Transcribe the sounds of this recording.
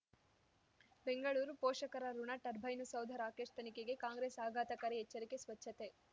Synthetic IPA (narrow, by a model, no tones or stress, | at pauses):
be̞ŋɡɐɭuːɾupɔːʂɐkɐɾɐɾuɳɐʈɐɾbʱɐjnusɐwd̪ʱɐɾaːkeːʂt̪ɐnikeɡe̞kaːŋɡɾeːsaːɡʱaːt̪ɐkɐɾeɛt͡ʃːɐɾikesʋɐt͡ʃʰːɐt̪e̞